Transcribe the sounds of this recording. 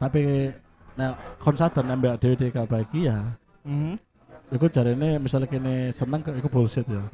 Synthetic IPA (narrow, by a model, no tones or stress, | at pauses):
t̪apik | nɛkʰɔnsad̪ərnɛmbeaʔd̥ewed̥ekab̥aɡ̥ija | m̩h̩ | ikud͡ʒ̥aɾinemisalkinesənəŋkəikub̥ɔlsɪt̪̚jo